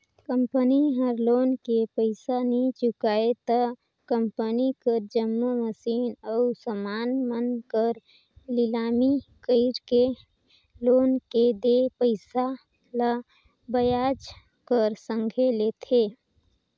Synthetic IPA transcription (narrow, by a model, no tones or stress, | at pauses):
kə̃mpəniɦəɾloːnkepəɪsanit͡ʃʊkaːet̪ə | kəmpənikəɾd͡ʒəmːoməsiːnəʊsəmaːnmənkəɾ | lɪlaːmikəɪɾke | loːnked̪epəɪsa | la | bəjaːd͡ʒ | kəɾsə̃ŋɡʱelet̪ʰe